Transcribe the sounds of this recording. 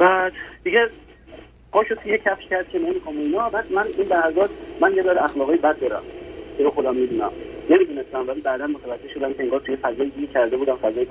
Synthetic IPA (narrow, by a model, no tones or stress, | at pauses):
b̥æd̪̥d̪̥iɟe | χɒːʃot̪ʰujecʰæfʃcʰæɾd̪̥̚cʰenemikʰomoinɒːbæd̪mæninlæhæzɒːt̪mænjelɒɾæxlɒːɣɒjibæd̪̚ːɒːɾæ̰mkʰeboxod̪æmːid̪uːnæmne̞mid̪uːne̞st̪æmvælibæːd̪ænmot̪ʰævæd͡ʒe̞hʃo̞d̪æmcʰeeŋɡɒːɾt̪ʰujefæzɒːjid̪iɡecʰæɾd̪e̞buːd̪æmfæzɒːje